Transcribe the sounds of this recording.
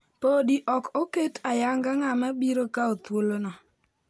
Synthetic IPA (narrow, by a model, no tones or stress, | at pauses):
podiʔɔkoketajaŋɡaŋamabiɾokaot̪wolonɔ